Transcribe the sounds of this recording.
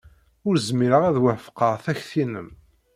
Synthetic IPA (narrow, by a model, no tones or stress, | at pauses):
ʊɾzmiɾəʁæðwæfqəʁθæçθinəm